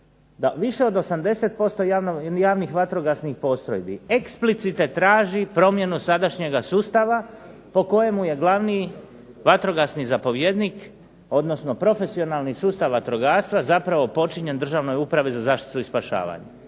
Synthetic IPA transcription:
d̪aʋiʃe̞o̞d̪o̞samd̪e̞se̞t̪̚po̞st̪o̞jajaːʋnixʋat̪ɾo̞ɡasnixpo̞st̪ɾo̰jbḭe̞ksplit̪sit̪et̪ːɾaːʒipɾo̞mje̞nusad̪aʃɲe̞ɡasuːst̪aʋa | po̞ko̞je̞muje̞ɡlˠaʋni | ʋat̪ɾo̞ɡasnizapo̞ʋje̞d̪nik | o̞d̪no̞sno̞pɾo̞fe̞sio̞nalˠnisuːst̪aʋʋat̪ɾo̞ɡaːst̪ʋazapɾaʋo̞po̞t͡ʃiɲe̞nd̪r̩ʒaʋno̞jupɾaʋezazaːʃt̪i̥t̪uispaʃa̰ːʋa̰ɲa

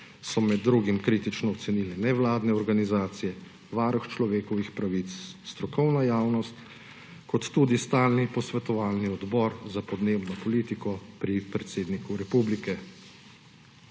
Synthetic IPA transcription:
sɔmɛd̪ːɾuɡimkɾiːt̪it͡ʃnɔɔt̪sɛnilɛnɛʋlaːd̪nɛɔɾɡanizaːt̪sijɛ | ʋaːɾɔxt͡ʃlɔʋeːkɔʋixpɾaʋit̪sst̪ɾɔkɔwnajaːwnɔst̪ | kɔt̪ːuːd̪ist̪aːlnipɔsʋɛt̪ɔʋaːlniɔd̪bɔɾzapɔd̪neːbnɔpɔliːt̪ikɔpɾipɾɛt̪seːd̪nikuɾɛpublikɛ

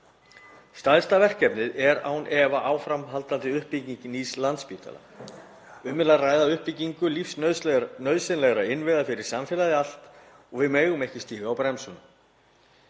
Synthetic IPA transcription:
st̪ajst̪avɛr̥cɛpnɪðɛɾa̰ːwnʔɛvaʔaːwfɾamɦalt̪ant̪ɪʏhpːicɲinislant̪spiːt̪a̰la̰ | ʏmɪlaraːjðaʏhpiciŋkʏlifsnœɥðsɪnlɛɣɾaɪnvɪðafɪɾɪɾ̥samfɛlaðɪal̥t̪ | ɔɣvɪðmeːjɣʏmejhcɪst̪iːɣaawpɾɛmsʏnʏ

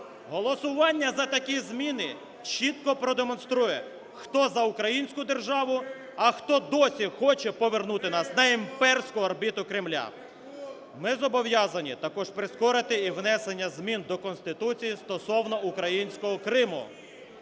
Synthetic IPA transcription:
ɦɔlˠɔsʊʋɑnʲːɐzɐt̪ɐkʲizʲmʲinɪ | t͡ʃit̪kɔpɾɔd̪emɔnst̪ɾujɛ | xt̪ɔzɐʊkɾɐjinʲsʲkʊd̪erʒɑʋʊ | ɐxt̪ɔd̪ɔsʲixɔt͡ʃɛpɔʋernut̪ɪnɑsnɐimpɛrsʲkʊɐrbʲit̪ʊkɾɪmlʲa̰ | mɪzɔbɔʋjɑzɐnʲit̪ɐkɔʒpɾɪskɔɾɪt̪ɪiʋnɛsenʲːɐzʲmʲind̪ɔkɔnst̪ɪt̪ut͡sʲijist̪ɔsɔwnɔukɾɐjinʲsʲkɔɦɔkɾɪmʊ̰

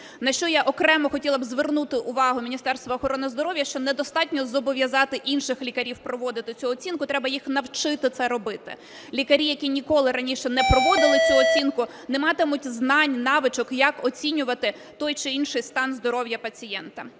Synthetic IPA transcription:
nɐʃt͡ʃɔjaʔɔkɾɛmɔxɔtʲilˠɐbzʋernut̪ɪʔʊʋɑɦʊmʲinʲist̪ɛrst̪ʋɐɔːxɔɾɔnɪzd̪ɔɾɔwʋjɐʃt͡ʃɔnɛd̪ɔst̪ɑtʲnʲɔzɔbɔʋʲjɐzɑt̪ɪʔinʃɪxlʲikɐɾʲiwpɾɔʋɔd̪ɪt̪ɪt͡sʲuɔt͡sʲinkʊt̪ɾɛbɐjixnɐwt͡ʃɪt̪ɪt̪sɛɾɔbɪt̪ɪ̰ | lʲikɐɾʲijɐkʲinʲikɔlˠɪɾɐnʲiʃɛnɛpɾɔʋɔd̪ɪlˠɪt͡sʲuɔt͡sʲinkʊ | nɛmɑt̪ɪmʊtʲznɑnʲnɑʋɪt͡ʃɔkjɐkɔt͡sʲinʲʊʋɐt̪ɪ | t̪ɔjt͡ʃɪinʃɪjst̪ɑnzd̪ɔɾɔwjɐpɐt͡sʲijɛnt̪ɐ

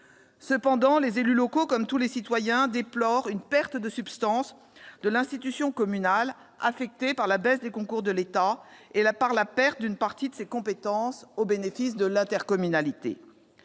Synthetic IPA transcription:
səpɑ̃d̪ɑ̃lezelylɔkokɔmt̪ulesit̪wajɛ̃d̪eplɔʁynpɛʁt̪d̪əsybst̪ɑ̃s | d̪əlɛ̃st̪it̪ysjɔ̃kɔmynal | afɛk̚t̪epaʁlabɛsd̪ekɔ̃kuʁd̪əlet̪aelapaʁlapɛʁt̪̚d̪ynpaʁt̪id̪əsekɔ̃pet̪ɑ̃sobenefisd̪əlɛ̃t̪ɛʁkɔmynalit̪ḛ

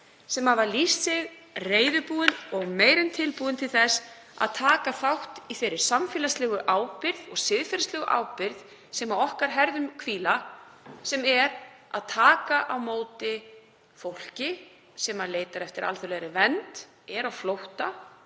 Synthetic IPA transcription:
sɛmhavalist̪ːɪɣ | reːjðʏpuːðɪnɔɣmeːjɾɪnt̪ʰɪlpuːðɪnt̪ʰɪlθɛs | a̰ðt̪ʰaːkaθawht̪iθejɾːɪɾ̥samfɛːlaslɛːɣʏʔaːwpɪɾðɔɣsɪðfɛlastlɛɣʏʔa̰wpɪɾð | sɛmawɔhkaɾɦɛɾðʏmkʰviːlasɛmɛɾa̰ðt̪ʰaːkaʔawmoːwt̪ɪ | fowl̥cɪ | sɛːmaleːjt̪aɾɛft̪ɪɾa̰lθʏɾleɾɪvɛnt̪ | ɛɾawflowht̪a

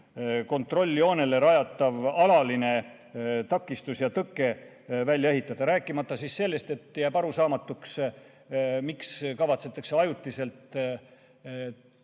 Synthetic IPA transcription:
ko̞nt̪ˑro̞lʲːio̞ːne̞le̞ɾɑjɑt̪ːˑɑvɑlɑline̞ | t̪ɑkːist̪usjɑt̪ɤkːˑe̞ | vælʲjɑe̞ɦit̪ːˑɑd̪ɑɾæːkːˑimɑt̪ːˑɑsisːe̞lːe̞st̪e̞t̪ːˑjæbɑɾusɑːmɑt̪ːˑuks | mikskɑvɑt̪se̞t̪ːˑɑkseɑjut̪ːˑise̞lt̪

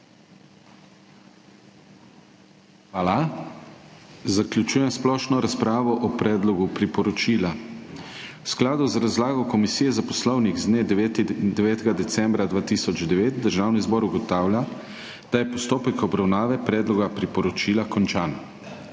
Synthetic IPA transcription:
xʋaːla | zaklʲjut͡ʃuːjɛmsplɔʃnɔɾaspɾaːʋɔʔɔpɾɛːd̪lɔɡupɾipɔɾɔt͡ʃiːla | wsklaːd̪uzɾazlaːɡɔkɔmisiːjɛzapɔslɔwniɣzd̪neːd̪ɛʋɛːt̪ɛɡad̪ɛt̪sɛmbɾad̪ʋaːt̪isɔd͡ʒd̪ɛʋeːt̪̚d̪əɾʒaːwnizbɔːɾuɡɔt̪aːwljʲa | d̪̥ajɛpɔst̪oːpɛkɔbɾawnaːʋɛpɾɛːd̪lɔɡapɾipɔɾɔt͡ʃiːlakɔnt͡ʃaːn

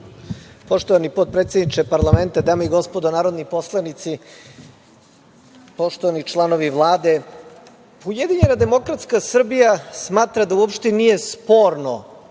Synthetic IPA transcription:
po̞ʂt̪oʋanipot̪̚pɾet̪sed̪nit͡ʃepaɾlˠame̞nt̪ad̪aːmaiɡo̞spod̪onaːɾo̞d̪nipo̞slˠanit̪si | poʃt̪oʋanit͡ʃlˠano̞ʋiʋlˠaːd̪e̞ | ujed̪iɲe̞nad̪e̞mo̞kɾat̪skasr̩bijasmaːt̪ɾad̪auopʂt̪enije̞spo̞ɾno

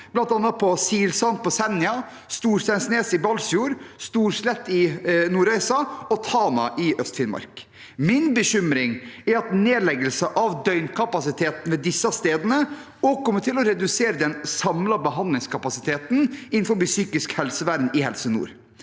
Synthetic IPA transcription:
b̥lɑnt̪ɑnːɑt̪̚pʰɔsiːlsɑnt̪̚pʰɔsɛnɪɑ | st̪uːɾʂt̪ɑnsneːsɪbɑlsjuːɾst̪uːɾʂlɛt̪ːɪnuːɾœɪsɑɔt̪ʰɑːnɑ̰ʔɪʔœst̪fɪnmɑ̰ɾk | mɪnbəɕʏmɾɪŋæɾɑt̪neːlɛɡəlsəʔɑʋd̪œʏnkʰɑpɑsɪt̪ʰeːt̪n̩ʋeːd̪ɪsːɑst̪eːd̪ənə | ɔkʰɔmːəʈʰɪlɔɾɛd̪ʉseːɾəd̪ɛnsɑmlɑbəɦɑnd̪lɪŋskʰɑpɑsɪt̪ʰeːt̪n̩ɪn̩fɔɾbɪsyːkɪskhɛlsəʋæɾnɪhɛlsənṵːɾ

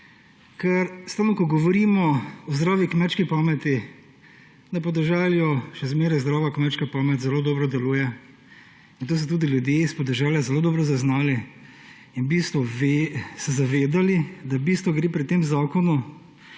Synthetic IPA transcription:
kɛɾst̪aːwnɔkɔɡɔʋɔɾiːmɔɔzd̪ɾaːʋikmɛt͡ʃkipaːmɛt̪i | napɔd̪ɛʒaljɔʃɛzmeːɾajzd̪ɾaːʋakmɛt͡ʃkapaːmɛt̪zɛloːd̪ɔːbɾɔd̪ɛluːjɛ | int̪oːs̬ɛt̪uːd̪iljud̪jeispɔd̪ɛʒɛljazɛloːd̪ɔːbɾɔzaznaːli | inbiːst̪ʋɔʋesɛzaʋeːd̪alid̪awbiːst̪ʋɔɡɾeːpɾit̪eːmzaːkɔnu

